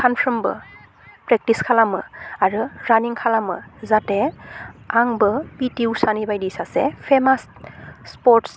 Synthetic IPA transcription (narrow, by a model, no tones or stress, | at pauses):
kʰanpʰɹɔmbɯ̰ | pɹɛk̚tiskʰalamɯaɹɯɹaniŋkʰalamɯ̰zatɛ | aŋbɯpitiwsanibajdisasɛpʰɛmasː | pɔts